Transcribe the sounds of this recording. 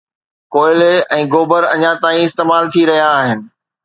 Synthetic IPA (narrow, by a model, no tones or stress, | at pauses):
koːɪleɛ̃ːɡoːbəɾɐ̰ɲãt̪aːĩɪst̪eːmaːlt̪ʰiɾɐɦijaːɦɪnɪ̆